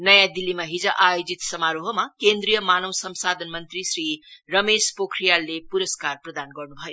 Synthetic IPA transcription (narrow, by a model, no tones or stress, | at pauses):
nʌjãd̪ilːimaɦid͡zʌʔajod͡zit̪sʌmaɾoɦʌmakend̪ɾijʌmanʌwsʌmsad̪ʱʌnmʌnt̪risrirʌmespokʰɾijalːepuɾʌskarprʌd̪anɡʌrnubʱʌjo